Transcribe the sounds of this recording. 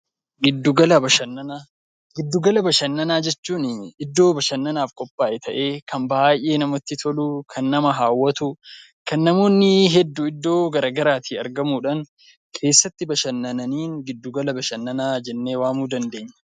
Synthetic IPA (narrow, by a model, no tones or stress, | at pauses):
ɡɪd̪ːuɡɐlɐbɐʃɐnːɐnaː | ɡɪd̪ːuɡɐlɐbɐʃɐnːɐnaːd͡ʒɛt͡ʃːuːnɪd̪ːo̞ːbɐʃɐnːɐnaːfkʼɔpʼːaːʔɛt̪ʰɐʔe̞ːkʰɐmbaːjʔe̞ːnɐmɔt̪ːɪt̪ʰɔlukʰɐnːɐmɐɦaːwːɐt̪ʊ | kʰɐnːɐmo̞ːnːɪɦɛd̪ːuːɪd̪ːo̞ːɡɐɾɐːɡɐɾaːt̪ʰiːɐɾɡɐmuːᶑɐn | kʰe̞ːsːɐt̪ːɪbɐʃɐnːɐnɐniːŋɡɪd̪ːʊɡɐlɐbɐʃɐnːɐnaːd͡ʒɛnːe̞ːwaːmuːd̪ɐnd̪e̞ːɲːɐ̥